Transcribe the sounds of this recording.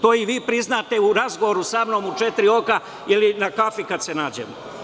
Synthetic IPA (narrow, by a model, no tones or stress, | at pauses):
t̪oːiʋiːpɾiznaːt̪e̞uɾazɡoʋoɾusamno̞ːmut͡ʃet̪ɾio̞ka | ilinakafikad̪senaːd͡ʑḛmo̰